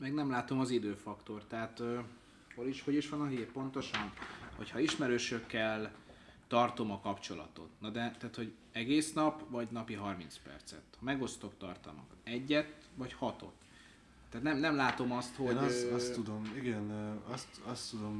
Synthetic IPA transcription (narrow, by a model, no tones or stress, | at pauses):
mɛɡnɛmlaːt̪o̞mɒzid̪øːfɒkt̪o̞rt̪ɛɦat̪ø | holiʃhoɟiʃʋɒnɒɦiːrpo̞nt̪o̞ʃɒnho̞̰chɒiʃmɛɾøːʃøkːɛl | t̪ɒrt̪o̞mɒkɒpt͡ʃo̞lɒ̰t̪o̞̰t̪nɒd̪ɛt̪aːt̪ho̞ɟ | ɛɡeːsnɒpʋɒɟnɒpiɦɒrmint̪spɛ̰rt̪sɛ̰t̪hɒmɛɡo̞st̪o̞kt̪ɒ̰rt̪ɒ̰lmɒ̰kɒt̪ɛɟːɛt̪ | ʋɒchɒt̪o̞̰t̪ː | ɛːt̪nɛmnɛmlaːt̪o̞mɒst̪hostt̪ːud̪omiɡɛnɒst̪ɒst̪ːud̪om